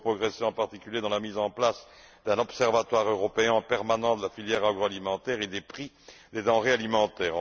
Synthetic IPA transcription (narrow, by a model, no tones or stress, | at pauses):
pχɔɡʁeseɑ̃paʁt̪ikʲyljed̪ɑ̃lamizɑ̃plas | d̪̥ɛ̃nɔpsɛʁvat̪waʁøʁɔpeɛ̃pɛʁmanɑ̃d̪əlafiljɛʁaɡʁɔalimɑ̃t̪ɛʁed̪epχi | d̪ed̪ɑ̃ʁealimɑ̃t̪ɛːʁ̃